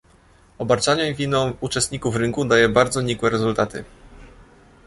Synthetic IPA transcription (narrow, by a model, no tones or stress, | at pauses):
ɔbaɾt͡ʂaɲɛvʲinɔ̃w̃ut͡ʂɛst̪̚ɲikufɾɘŋkud̪ajɛbaɾd̪zɔɲikwɛɾɛzult̪at̪ɘ̰